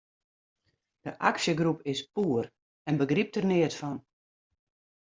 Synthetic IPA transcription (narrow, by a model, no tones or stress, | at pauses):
d̥əʔaksjəɡrupɪspuːər | ɛnbəɡrip̚tərnɪətfɔn